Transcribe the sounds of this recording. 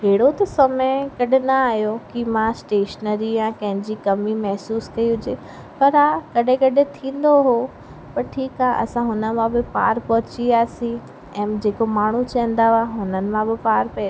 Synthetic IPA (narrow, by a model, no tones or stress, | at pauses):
ɦeːɽot̪ɐsɐməkɐɗɪnɐaːɦjokimãsʈeːʃənəɾijãkɐ̃ɦɪ̃ɲd͡ʑikɐmimɐɦsuːskɐiɦʊd͡ʑeː | pɐɾaːkɐɗ̤ẽkɐɗẽt̪ʰĩːn̆d̪oɦo | pɐɾʈʰiːkaːʔɐ̰sãɦʊnə̆mãbɪpa̰ːɾpɐɦʊ̃t͡ɕiaːsĩ | ɛ̃ːd͡ʑeːkomaːɳ̤ut͡ɕɐ̃ə̃nd̪aaːɦʊnənɪ̆mãbɪpaːɾpɐ